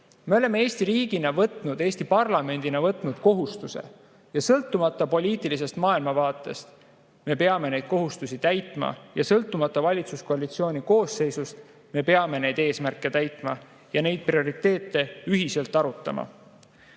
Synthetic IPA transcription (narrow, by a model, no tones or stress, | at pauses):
me̞o̞le̞mee̞ːsʲt̪iɾiːɡ̥inɑvɤt̪nud̪̥e̞ːst̪ipɑrlɑme̞nd̪̥inɑvɤt̪ˑnud̪̥ko̞ɦust̪use̞̰ | jɑsɤlt̪ːˑumɑt̪ːˑɑpo̞lʲiːt̪ːˑilis̬e̞st̪mɑːilmɑvɑːt̪ˑːe̞̰st̪ | me̞peɑme̞ne̞jd̪̥̚ko̞ɦust̪usit̪æjt̪ˑmɑ̰jɑsɤlt̪ˑːumɑt̪ːˑɑvɑlʲit̪suskoɑlit̪sio̞ːnʲiko̞ːsːe̞jsust̪ | me̞pe̞ɑme̞ne̞jd̪e̞ːsmærkːˑe̞t̪æjt̪ˑmɑ | jɑne̞jd̪̥̚prio̞ɾit̪ːˑe̞ːt̪ːˑe̞yɦise̞lt̪ːˑɑɾut̪ːˑɑ̰mɑ̰